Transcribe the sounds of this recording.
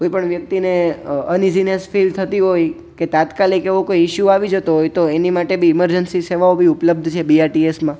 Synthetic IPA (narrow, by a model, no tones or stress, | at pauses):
kojpəɳʋjək̚t̪ineənizinesfilt̪ʰət̪iɦoj | ket̪at̪kalikeʋõkojɪʃjuaʋid͡ʒət̪oɦojt̪oenimaʈebʱiːməɾd͡ʒənsiseʋaobʱiʊpləb̚d̪ʱt͡ʃʰebiaɾʈiesmã